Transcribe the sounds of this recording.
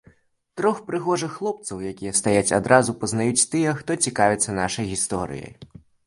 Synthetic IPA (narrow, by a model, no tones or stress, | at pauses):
t̪ɾɔxpɾɨɣɔʐɨxːlˠɔp̚t̪sɐwjakʲijɛst̪ajat͡sʲad̪ɾʔazupɐznajut͡sʲt̪ɨjɛxt̪ɔt͡sʲikavʲɛt̪sːɐnaʂɐjɣʲist̪ɔɾɨ̰jɐ̰j